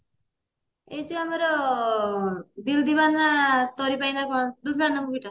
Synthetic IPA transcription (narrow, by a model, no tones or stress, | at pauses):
et͡ʃuameɾɔ | d̪ild̪ibanːat̪ɔɾipajd̪akɔd̪us̬banːamukiʈa